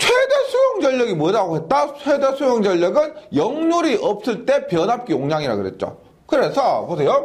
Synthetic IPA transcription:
t͡ɕʰwede̞sʰujoŋd͡ʑʌʎːʌɡimodaɡoɦe̞t̚t͈at͡ɕʰwede̞sʰojoŋd͡ʑʌʎːʌɡɯnjʌŋnuɾiʔʌp̚s͈ɯɭt͈e̞pjʌnɦap̚k͈ioŋd͡ʑaŋiɾa̰ɡɯɾe̞̰t̚t͡ɕ͈o̰ | kɯɾe̞sʰʌpos̬ʰe̞jo

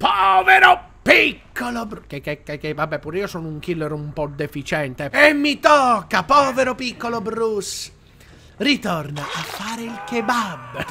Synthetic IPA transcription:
pɔːveɾo | pikːolobkekːekːekːevabːɛpːuːɾiːosɔːnʊuŋkilːeɾoumpɔd̪ːefit͡ʃɛnt̪eemːit̪ɔkːapɔːveɾopikːolobɾus | rit̪ɔrnaʔafːaːɾeilkebabː

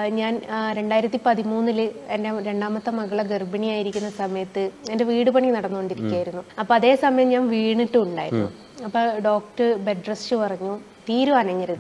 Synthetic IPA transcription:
ɲaːnɾe̞ɳɖaːjiɾɐt̪ːipɐðimuːnːilɨendeɾe̞ɳɖaːmɐt̪ːɐmɐɣɐɭɐɡerbɐnijaːjiɾikʲːunːɐsɐmɐjɐt̪ːɨende̞ʋiːɽɨpɐɳikːnɐɽɐnːukoɳɖiɾikʲːjaːjiɾunːuɐpːoːɐðe̞ːsɐmɐjɐmɲaːnʋiːɳiʈːɨuɳɖa̰ːjiɾunːu | ɐpːoːɖo̞ːkʈɨbeɖrɐst͡ɕɨpɐrɐɲːu | t̪iːɾuɐnɐŋːɐɾɐðɨ

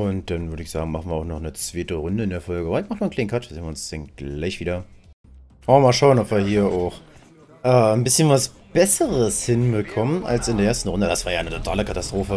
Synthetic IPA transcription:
ʔʊnt̚d̥anvʏɾəɪçz̥a̰ːɡŋ̩maχn̩viːɐaʊxnɔχnət͡sv̥eːtəʁʊndəɪndeːɐfɔlɡəʔbɐhaɪçtmaχnmaɐnklaɪnkʰat͡ʃzeːnvɪʊnsd̥ɛnɡ̥laɪçv̥iːdɐ | mavɪɐmaːlʃaʊənɔpv̥iːɐhiːɐʔaʊx | ʔɛːnbɪsçənvas | b̥ɛsəʁəshɪnbəkʰɔmənʔa̰lsɪndeɐeːɐstn̩ʁʊndədasv̥aːɐjaːʔaɪnətʰotʰaːləkatastʁ̥oːfə

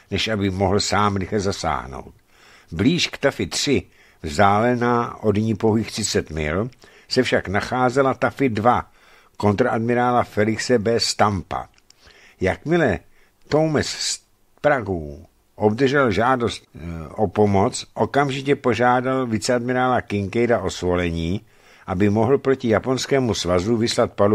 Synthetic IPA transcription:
nɛʃʔabɪmoɦl̩saːmɾɪxlɛzasa̰ːɦno̰wt̪ | bliːʃkt̪afɪt̪r̥ɪ | vzdaːlɛnaːʔo̞dɲɪpoɦiːxt̪sɪt͡sɛt̪mɪ̰l | sɛfʃaknaxaːzɛlat̪afɪdva | ko̞nt̪ɾaʔadmɪɾaːlafɛlɪksɛbɛst̪ampa̰ | jakmɪlɛ | t̪o̞wmɛss | pɾaɡow | ʔo̞bd̪r̩ʒɛlʒaːdo̞st̪ʔopo̞mo̞t͡sʔo̞kamʒɪcɛpo̞ʒaːdalvɪt͡sɛadmɪɾaːlakɪŋkɛjdaʔo̞svo̞lɛɲiː | ʔabɪmo̞ɦl̩pɾo̞cɪjapo̞nskɛːmusvazuvɪslat̪̚palu

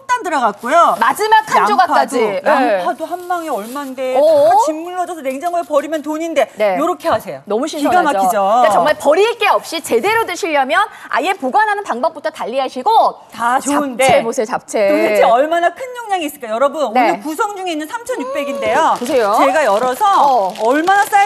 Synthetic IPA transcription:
nt͈andɯɾʌɡak̚k͈ojomad͡ʑimakʰand͡ʑoɡaad͡ʑioadohambaŋeʌɭmandeat͡ɕimːuɭːʌd͡ʑʌsʰʌneŋd͡ʑaŋɯɾopʌɾimjʌntoɲinde̞nejoɾʌkʰe̞ɦasʰe̞jjonʌmuɕʰinʰɡamaokid͡ʑokat͡ɕʌŋmaɭpʌɾiɭk͈e̞ʌp̚ɕ͈it͡ɕe̞de̞ɾodɯɕʰiʎːʌmjʌna̰je̞poɡanɦanɯnpaŋbʌp͈̚utʰʌtaʎːiɦaɕʰiɡo | tat͡ɕoandeemosʰejot͡ɕap̚t͡ɕʰeosieʌɭmanakʰɯnd͡ʑoŋɲaŋiːs͈ɯɭkajʌɾʌbunneɯkusʰʌŋd͡ʑuŋeinːɯnsʰamt͡ɕʰʌnjuk̚p͈e̞ɡinde̞jopos̬ʰe̞jot͡ɕeɡajʌɾʌsʰʌːɭmanas͈aj

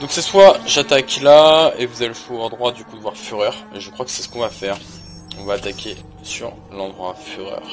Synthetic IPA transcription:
d̪ɔ̃ksɛswaʒat̪aklaevuzaefuɔʁd̪ʁwad̪ykud̪əvwaʁfyʁœʁeʒəkχwakə̥sɛsə̥kɔ̃vafɛʁ | ɔ̃vaːt̪akʲʰe | sy̰ʁ | lɑ̃d̪ʁwafyʁœ̰ʁ

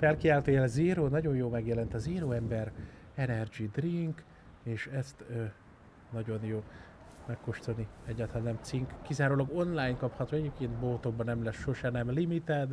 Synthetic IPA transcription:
fɛlkiaːlt̪øːjɛlziːɾoːnɒɟo̞njoːmɛɡjɛlɛnt̪ɒziːɾoːɛmbɛr | ɛnɛrd͡ʒid̪riŋk | eːʃɛst̪ø | nɒɟo̞njoː | mɛkːoʃt̪oniɛɟːaːt̪aːnɛmt̪siŋkkːizaːɾoːlɒɡo̞nlaːjnkɒphɒt̪hoɟɛɟeːp̚keːnt̪boːt̪o̞ɡ̚bɒnɛmlɛsʃoʃɛnɛmlimit̪aːd̪

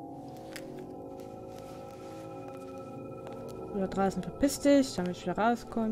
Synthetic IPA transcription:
ʔyːbɐd̥ʁaːsn̩fɛɐpɪstɪçd̥amɪtʃviːdɐʁaʊskʰɔ

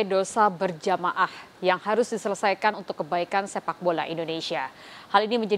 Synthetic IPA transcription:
dosabərd͡ʒamaʔahjaŋhaɾʊsdisələsajkanunt̪ʊkːəbaikansepak̚bola̰ʔindonesia | haliniməɲd͡ʒa

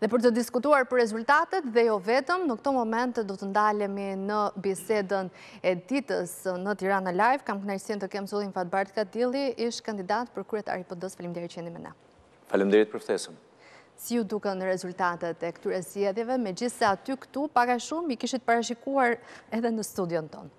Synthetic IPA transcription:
ðɛpəɾt̪əd̪iskut̪uaɾpəɾːɛzult̪at̪ɛt̪ðɛjɔvɛt̪əmnəkt̪ɔmɔmɛnt̪ɛd̪ɔt̪ənd̪alɛminəbisɛd̪ən | ɛd̪it̪əsnət̪iɾanalajvkamknaɾsint̪əkɛmsulˠinfat̪̚baɾt̪̚kad̪ilˠiiʃt̪kand̪id̪at̪pəɾkɾyɛt̪a̰ɾipɔd̪ɔsfalimd̪ɛɾit͡ɕɛnimɛ̰nɛ̰ | falimd̪ɛɾit̪̚pəɾfθɛsəm | sijud̪ukɛnəɾɛzult̪at̪ɛt̪ɛkə̥t̪yɾɛzd͡ʑɛðjɛvɛmɛd͡ʑiθsaːt̪ykə̥t̪upaɡaʃumikiʃit̪ə̥paɾaʃ̬ikuaɾɛðɛnəst̪ud̪jɔnt̪ɔ̰n

